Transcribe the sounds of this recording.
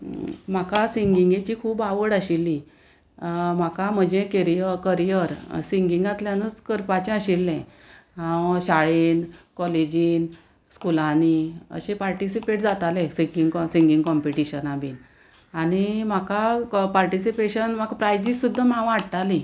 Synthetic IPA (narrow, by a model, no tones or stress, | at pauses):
m̤akasiŋɡiŋɡet͡ɕiːkʰuːbaʋəɽaɕilːi | m̤akam̤əd͡ʑekəɾijəkəɾijəɾsiŋɡiŋɡat̪ljanət͡skəɾpat͡ɕẽəɕilːɛ̃ɦãwɕaɭenkɔled͡ʑiːn | skulaniə̰ɕẽpaɾʈisipeʈ̚d͡zat̪alẽsiŋɡiŋksiŋɡĩŋɡkɔmpiʈiɕənabḭːn | anim̤akapaɾʈisipeɕənm̤akpɾajd͡ʑisud̪ʱːamãʋaɽʈalĩ